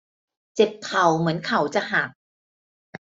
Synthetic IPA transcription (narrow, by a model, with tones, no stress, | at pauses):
t͡ɕe˨˩p̚kʰa˨˩wmɯ˩˦ənkʰa˧˩˦wt͡ɕa˨˩ʔɦaː˨˩k̚